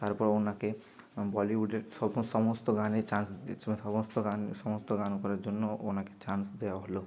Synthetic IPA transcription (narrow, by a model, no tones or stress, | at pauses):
t̪aɾpɔɾonake | bɔliuɖeɾsɔbsɔmost̪oɡanet͡ʃansɔbost̪oɡanɔmost̪oɡankɔɾaɾd͡ʒonːoonaket͡ʃansd̪ɛaɦolo